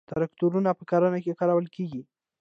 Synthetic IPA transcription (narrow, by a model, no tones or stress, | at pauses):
t̪aɾakt̪uɾunapəkɑɾənakekɑɾawəlkeɡi